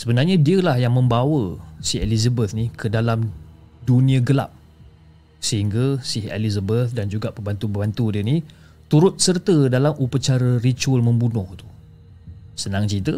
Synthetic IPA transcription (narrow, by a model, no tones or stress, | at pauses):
səbənarɲadiəlahjaŋmə̃mbawəsielizəbət̪nikʰədalam | dunĩəɡəla̰p̚ | səɦiŋɡasihḛlizəbəθ̚dand͡ʒuɡaʔpəbant̪ubəbant̪udəni | t̪uɾʊt̪̚sərt̪ədalamupət͡ʃaɾərit͡ʃuəlmə̃mbunʊht̪u̥ | sənaŋt͡ʃit̪ə